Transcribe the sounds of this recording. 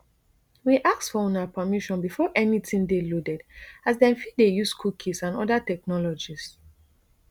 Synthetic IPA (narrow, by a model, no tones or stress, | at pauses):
wiʔaksfɔɔ̃napʰəmiʃɔ̃nbifɔʔɛnitĩndelodɛdazdɛ̃nfidejuskʰukʰisãnɔ̰datɛk̚nɔlɔd͡ʒis